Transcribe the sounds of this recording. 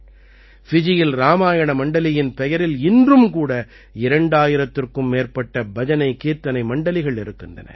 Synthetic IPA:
fɪd͡ʒɪjɪlɾaːmaːjɐɳɐmɐɳɖɐlɪjɪnpɛjɐɾɪlɪndrɯmkuːɽɐ | ɪɾɐɳɖaːjɪɾɐt̪ːɪrkɯmːeːrpɐʈːɐbɐd͡ʒɐnɐɪkiːɾt̪ːɐnɐɪmɐɳɖɐlɪɣɐɭɪɾɯkːɪndrɐ̰nɐ̰

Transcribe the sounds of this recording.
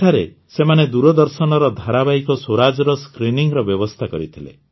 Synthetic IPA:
ʈʰaɾe | semaned̪uɾɔd̪ɔɾsɔnɔɾɔd̪ʱaɾabaikɔswoɾad͡ʒɔɾɔskɾiniŋɾɔbjɔbɔst̪ʰakɔɾḭt̪ʰilḛ

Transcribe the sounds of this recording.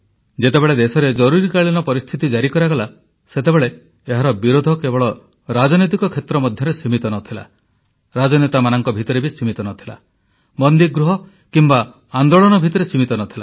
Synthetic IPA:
d͡ʒet̪ebeɭed̪esɔɾed͡ʒɔɾuɾikaɭinɔpɔɾist̪ʰit̪id͡ʒaɾikɔɾaɡɔla | set̪ebeɭeː | ɦaɾɔbiɾod̪ʱɔkebɔɭɔ | ɾad͡ʒɔnit̪̬ikɔkʰet̪ɾɔmɔd̪ʱjɔɾesimit̪ɔnɔt̪ʰila̰ | ɾad͡ʒɔnet̪amanɔŋkɔbʱit̪ɔɾebisimit̪ɔnɔt̪ʰi̥la̰ | bɔnd̪iɡɾuɦɔ | kimba | and̪oɭɔnɔbʱit̪ɔɾesimit̪ɔnɔt̪ʰila̰

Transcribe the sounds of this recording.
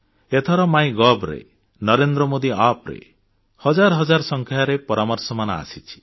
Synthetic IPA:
et̪ʰɔɾɔmajɡɔbɾḛ | nɔɾend̪ɾɔmod̪iapɾḛ | hɔd͡ʒaɾɔɦɔd͡ʒaɾɔsɔŋkʰjaɾepɔɾamɔɾsɔmanaa̰sit͡ʃʰi̥

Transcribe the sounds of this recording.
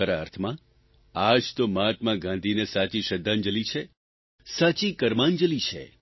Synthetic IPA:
əɾaə̰ɾt̪ʰmã | ad͡ʒt̪omat̪mãɡãnd̪ʱinesat͡ʃiʃəd̪ʱːãnd͡ʒəlit͡ʃʰe | sat͡ʃikəɾmãnd͡ʒəlit͡ʃʰḛ

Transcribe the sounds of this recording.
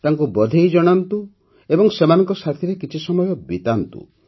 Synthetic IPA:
t̪aŋkubɔd̪ʱejd͡ʒɔɽ̃ant̪u | ebɔŋsemanɔŋkɔsat̪ʰiɾekit͡ʃʰisɔmɔjɔbit̪ant̪ṵ

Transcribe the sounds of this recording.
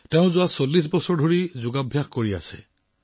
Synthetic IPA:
teʊ̃zʊwasolːis̬bɔsɔɹdʱoɹizʊɡabʱjaxkoɹia̰sɛ̰

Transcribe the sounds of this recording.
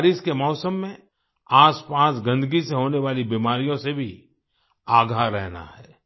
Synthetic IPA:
ɾiːskemɔːsəmːẽ | aːspaːsɡə̃nd̪əɡiseɦoːneʋaːlibiːmaːɾijõsebʱi | aːɡʱaɾɛɦna̰hɛː

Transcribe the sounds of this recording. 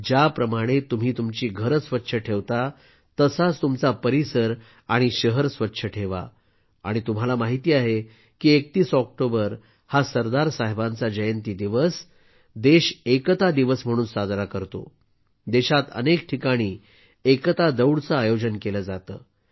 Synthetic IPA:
d͡ʑapɾəmaɽ̃et̪um̤iːt̪umt͡ɕiːɡʱəɾəsʋətːɕʰəʈʰeʋt̪a | t̪əsat͡st̪umt͡sapəɾisəɾ | aɽ̃iɕəɦəɾsʋətːɕʰəʈʰeʋa̰ | a̰ɽ̃it̪um̤alamaɦit̪iːaɦe | kiːek̚t̪iːsɔk̚ʈobəɾ | hasəɾd̪aɾsaɦebãnt͡sad͡ʑəjənt̪iːd̪iʋəs | d̪eɕekt̪ad̪iʋəsm̤əɽ̃ũːnsad̪ɾakəɾt̪o̰ | d̪eɕat̪ə̰nek̚ʈʰikaɽ̃iː | ekt̪ad̪əwɽt͡səajod͡ʑənkeləːd͡zat̪ə̰ː

